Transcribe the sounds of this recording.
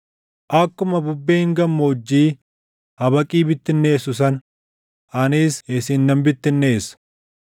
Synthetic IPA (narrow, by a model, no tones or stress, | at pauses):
ʔɐkːʊmɐbʊbːeːɪŋɡɐmːoːd͡ʒːiː | hɐbɐkʼiːbɪt̪ːɪnːe̞ːsʊs̬ɐn | ʔɐniːsesɪnːɐmbɪt̪ːɪnːeːs